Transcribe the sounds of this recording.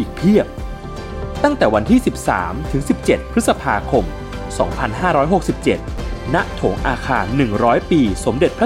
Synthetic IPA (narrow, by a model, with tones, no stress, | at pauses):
ʔiː˨˩k̚pʰi˥˩əp̚ | t̪a˥˩ŋt̪ɛː˨˩wa˧nt̪ʰiː˥˩si˨˩p̚sa̰ː˩˦mt̪ʰɯ˩˦ŋsi˨˩p̚t͡ɕe˨˩t̪̚pʰɾɯ˦˥t̪̚sa˧pʰaː˧kʰo˧m | sɔː˩˦ŋpʰa˧nɦaː˥˩ɾɔː˦˥jɦo˨˩k̚si˨˩p̚t͡ɕe˨˩t̪̚na˦˥ʔt̪ʰoː˩˦ŋʔaː˧kʰaː˧nːɯ˨˩ŋɾɔː˦˥jpiː˧so˩˦mde˨t̪̚pʰɾa˦˥